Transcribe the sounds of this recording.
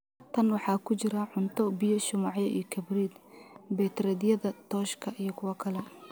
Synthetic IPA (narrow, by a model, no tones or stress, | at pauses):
t̪ʰɐnwɑħɑːkʰʊt͡ʃɪɾɐʕʊnt̪ʰɔbɪjɔʃʊmɑʕjɛʔḭjkʰɐbriːd̪bɛt̪rɛd̪jɐðɐt̪ʰɔːʃkʰɐʔijɞkʰʊwɑkʰɐlɛ